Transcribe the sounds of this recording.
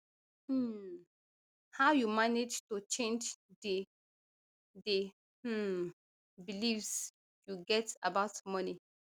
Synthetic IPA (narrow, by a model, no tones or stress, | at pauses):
m̩ | haʊjumaned͡ʒtut͡ʃẽnd͡ʒde | de | m̩ | bilivs | juɡɛtabaʊtmʌni